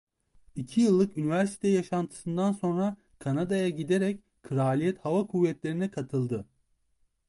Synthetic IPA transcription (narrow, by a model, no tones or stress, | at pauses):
icʰijɯlˠːɯkynivæɾsi̥t̪ʰɛjaʃant̪ʰɯ̥sɯnd̪anso̞nɾa | kʰanad̪ajaɟid̪eɾɛc | kʰɯɾaːlʲijɛt̪havakʰuvːɛt̪lʲe̞ɾinɛkʰat̪ʰɯlˠd̪ɯ